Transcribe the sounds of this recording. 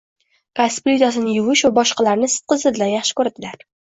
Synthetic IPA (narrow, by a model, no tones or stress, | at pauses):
kasplʲit̪as̬ɪnɪjʊwɪʃvabɒʃqɑlaɾnɪsɪ̥t̪̚qɨzɨd̪lanjaχʃɪ̥kɵɾd̪ɪlaɾ